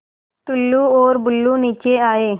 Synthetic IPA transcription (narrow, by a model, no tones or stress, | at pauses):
t̪ʊlːuoːɾbʊlːuniːt͡ʃeaːeː